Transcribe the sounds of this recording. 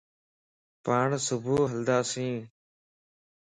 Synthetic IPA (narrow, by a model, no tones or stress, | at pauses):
paːɳsʊbʱuːɦəld̪aːsĩː